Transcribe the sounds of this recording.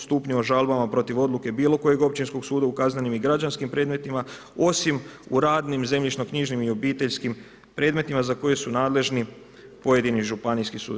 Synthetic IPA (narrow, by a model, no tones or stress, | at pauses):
st̪uːpɲuoʒalbamapɾo̞t̪iʋo̞d̪luke̞biːlˠo̞ko̞je̞ɡo̞p̚t͡ɕinsko̞ɡsuːd̪aukaznanimiɡɾad͡ʒanskimpɾe̞d̪me̞t̪ima | o̞simuɾaːd̪nimze̞mʎit͡ʃnokɲiʒnimio̞biːt̪e̞ʎskim | pɾe̞ːd̪me̞t̪imazako̞je̞sunaːd̪le̞ʒni | po̞jed̪iniʒupaniskisṵːd̪